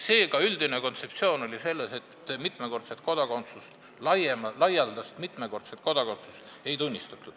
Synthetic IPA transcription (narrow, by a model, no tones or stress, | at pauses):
se̞ːkɑyld̪ine̞ko̞nt̪se̞p̚t̪sio̞ːno̞lʲise̞lːe̞se̞t̪ːmit̪meko̞rt̪set̪̚ko̞d̪̥ɑko̞nt̪sust̪ | lɑjemlɑjɑld̪ɑst̪mit̪ˑme̞ko̞rt̪set̪ko̞d̪̥ɑko̞nt̪sust̪ | e̞jt̪unʲːist̪ɑt̪ːˑu̥